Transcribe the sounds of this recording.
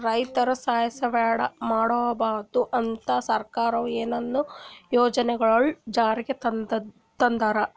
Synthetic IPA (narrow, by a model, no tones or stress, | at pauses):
ɾɐjt̪ɐɾɐsaːjɐsɐʋɛːɽɐmaːɽoːɐbaːɾd̪uʔɐnt̪ɐsɐɾkaːɾɐʋueːnɐnːujoːd͡ʒɐnɛɡɐɭɐɭud͡ʒaːɾiɡet̪ɐ | t̪ɐnd̪ɐɾɐ